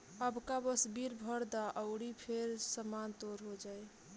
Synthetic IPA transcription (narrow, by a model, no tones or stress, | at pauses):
əbkabəsbiɾbʱəɾd̪aʔəʊɽipʰeɾsəmant̪oɾɦod͡ʒaj